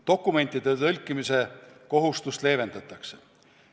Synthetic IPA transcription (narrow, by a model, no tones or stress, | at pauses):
t̪o̞kːˑume̞nʲt̪ːˑid̪̥et̪ɤlʲkːˑimise̞ko̞ɦust̪ust̪le̞ːve̞nd̪̥ɑt̪ːˑɑkse